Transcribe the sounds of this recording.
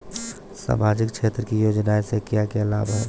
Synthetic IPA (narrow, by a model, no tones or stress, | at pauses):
sa̰ːmaːd͡ʒɪkt͡ʃʰeːt̪ɾəkijoːd͡ʒnaesekjakeəla̰ːbaɦ